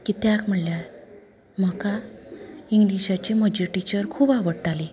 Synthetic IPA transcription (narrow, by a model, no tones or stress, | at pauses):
kit̪jakm̤əɽlja | m̤əka | iŋɡliɕat͡ɕiməd͡ʑiʈit͡ɕəɾkʰuːbaʋəɽʈali